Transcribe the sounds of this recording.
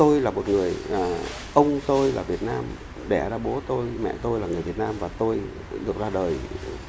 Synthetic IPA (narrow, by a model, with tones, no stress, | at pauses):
o˧jlaː˨˩mo˨˩t̚ŋɨ˨˩əj | ʔə˧wŋ͡mt̪o˧jlaː˨˩vi˨˩ət̚naː˧m | ɓɛ̰˧˩ɗaː˧ɓo˨˦t̪o˧jmɛ̰˧˨t̪o˧jlaː˨˩ŋɨ˨˩əjvi˨˩t̚naː˧mvaː˨˩t̪o˧j | ɗɨ˨˩ək̚zaː˧ɗəː˨˩j